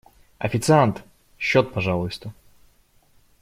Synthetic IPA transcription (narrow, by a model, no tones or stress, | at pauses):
ɐ̰fʲɪt̪sɨant̪ | ɕːot̪̚pɐʐalˠʊjst̪ə